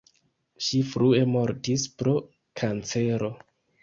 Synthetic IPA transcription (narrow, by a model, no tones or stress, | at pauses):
ʃifɾue̞mo̞ɾtispɾo̞ | kʰant͡se̞ɾo̞